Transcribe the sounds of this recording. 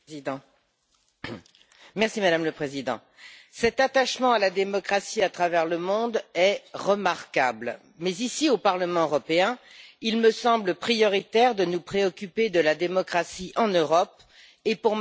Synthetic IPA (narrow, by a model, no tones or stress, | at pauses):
d̪̃ | mɛʁsimad̪amləpχezid̪ɑ̰̃ | sɛt̪at̪aʃmɑ̃alad̪emɔkχasiat̪χavɛʁləmɔ̃d̪ɛʁəmaʁka̰bl | mɛzisiopaʁləmɑ̃øʁɔpeɛ̃ilməsɑ̃bləpχijɔʁit̪ɛʁd̪ənupχeɔkʲyped̪əlad̪emɔkχasiʔɑ̃nøʁɔp̚ | epuʁ